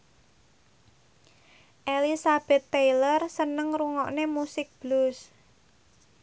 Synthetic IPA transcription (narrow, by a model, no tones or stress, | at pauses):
ʔelisab̥ɛ̤t̪ːejlərsənəŋɾuŋɔʔnemusɪk̚b̥lus